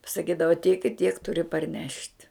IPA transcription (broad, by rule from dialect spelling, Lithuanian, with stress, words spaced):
pɐsɐˈkʲiːdɐʋɐ tʲiɛk ɪ tʲiɛk ˈtʊrʲɪ pɐrʲˈnʲɛʃʲtʲ